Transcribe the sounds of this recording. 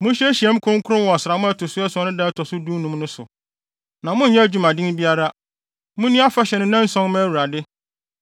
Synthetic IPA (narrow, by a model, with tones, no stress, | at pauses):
mʊ̃˦ɕɛ˦æ˦ɕi˨ɛ˦m̩˦kʰʊ˦ɾʊ̃˦kʰʊ˦ɾʊ̃˦wɔ˨sɪ˨ɾa˨mʊ̃˦ɛ˦tʰʊ˨sʊ˦ɛ˦sʊ˦ɔ˦nʊ̃˦dɛ˦tʰɔ˨sʊ˦dũ˦nũ˦mnʊ̃˦sʊ˨ | nã˨mʊ̃˦n̩˨ɲɛ̃˦æ˦d͡ʑᶣu˦mã˨dɪ̃˦ŋ˦bi˦a˦ɾa˦ | mʊ̃˦nĩ˦a˦fa˦ɕɛ˨nʊ̃˦nã˦n̩˦sɔ̃˦n˦mɛ̃˦wu˨ɾa˨dɪ˦